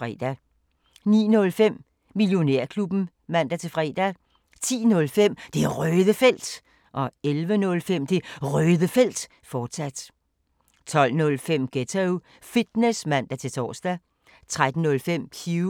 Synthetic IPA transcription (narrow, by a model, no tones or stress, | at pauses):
ʁɛ̰d̥æ | nḭːnɔ̽lfem̰ː | iljo̝ne̝ɐ̰kʰlub̥n̩ | mæn̰d̥æt͡sʰe̝fʁɛ̰ːd̥æ | t͡sʰḭːnɔ̽lfem̰d̥e̝ʁœːðˠəfel̰d̥ | ʔɒ̽elʋənɔ̽lfem̰d̥e̝ʁœːðˠəfel̰d̥ | fɒːd̥sæd̥ | t͡sʰɒ̽l̰nɔ̽lfem̰ɡ̥et͡sʰeʊ | fid̥nesmæn̰d̥æt͡sʰe̝lt͡sʰɒ̰ːsd̥æ | t͡sʰʁad̥n̩ːɔ̽lfem̰kʰu